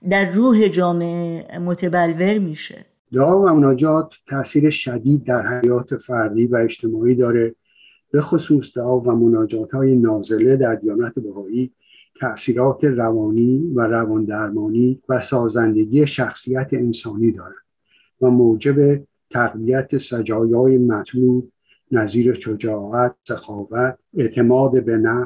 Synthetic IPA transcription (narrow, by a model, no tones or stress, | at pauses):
d̪æɾːuːɦed͡ʒɒːmeʔemot̪ʰebælve̞ɾmiːʃḛ | d̪eɒːvæmonɒːd͡ʒɒːt̪ʰːæʔsiːɾe̞ʃæd̪iːd̪̚ːæɾhæjɒːt̪ʰe̞fæɾd̪iːvæed͡ʒt̪ʰe̞mɒːiːd̪ɒːɾe̞ | b̥e̞xo̞suːsd̪eʔɒːvæmo̞nɒːd͡ʒɒːt̪ʰhɒːje̞nɒːze̞le̞d̪æɾd̪ijɒːnæt̪ʰebæhɒːiː | t̪ʰæʔsiːɾɒːt̪ʰe̞rævɒːniːvæɾævɒːnd̪æɾmɒːniːvæsɒːzænd̪e̞ɡiːeʃæxsijæt̪ʰeensɒːniːd̪ɒːɾænd̪̥ | væmoːd͡ʒe̞be̞ | t̪ʰæɣviæt̪ʰesæd͡ʒɒːjɒːjemæt̪ʰluːd̪̚ | næziːɾeʃod͡ʒɒːɣæt̪̚sexɒːvæt̪̚e̞ʔt̪ʰe̞mɒːd̪ebe̞næ